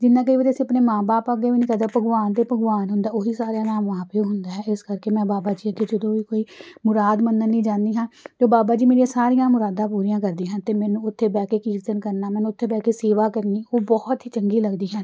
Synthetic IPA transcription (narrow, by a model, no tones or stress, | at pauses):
d͡ʒɪnːãːk̬əiːʋəːd̪eəsĩəpneːmãːbaːpəɡeːʋiːnĩːkəd̪əpəɡʋaːnd̪eːpəɡʋaːnɦʊnd̪aːoɦiːsaːɾjaːnaːmʋaːpeoɦʊnd̪aːɦɛːɪskəɾkeːmɛ̃ːbaːbaːd͡ʒiːked͡ʒəd̪õːʋiːkoːiːmʊɾaːd̪mənːənːĩːd͡ʒãːnd̪iːɦãːd͡ʒoːbaːbaːd͡ʒiːmeːɾijãːsaːɾijãːmʊɾaːd̪ãːpuːɾijãːkəɾd̪ĩːɦãnt̪eːmɛ̃ːnũːʊt̪ʰːeːbɛːkeːkiːɾt̪ənkəɾnaːmɛːnũːʊt̪ʰːeːbɛːkeːseːʋaːkəɾniːoːbɔːt̪ɦiːt͡ʃəŋɡiːləɡd̪iːɦən